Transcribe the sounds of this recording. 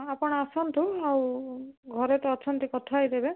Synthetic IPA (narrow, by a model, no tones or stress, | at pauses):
apɔɽ̃ɔasɔnt̪uawɡʱɔɾɔt̪ɔt͡ʃʰɔnt̪ikɔt̪ʰaajd̪ebe